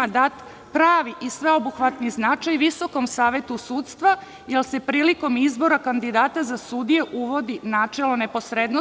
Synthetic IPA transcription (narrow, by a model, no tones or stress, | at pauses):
ad̪at̪ | pɾaːʋiʔisʋe̞obuxʋat̪niznat͡ʃajʋiso̞ko̞msaːʋet̪usuːt̪st̪ʋa | jelse̞pɾiːliko̞mizbo̞ɾakand̪id̪aːt̪azasud̪ije̞ʔuʋo̞d̪inaːt͡ʃelone̞po̞sɾed̪no